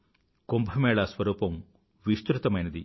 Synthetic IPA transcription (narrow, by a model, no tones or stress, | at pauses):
kombʱɐmɛːɭɐsʋɐɾuːpɐm | ʋist̪ɾut̪ɐmɐjnɐd̪i